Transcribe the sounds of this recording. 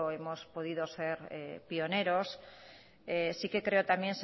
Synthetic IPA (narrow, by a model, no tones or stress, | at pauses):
oemospoð̞iðoseɾḛpioneɾos | esikekɾeot̪amjẽns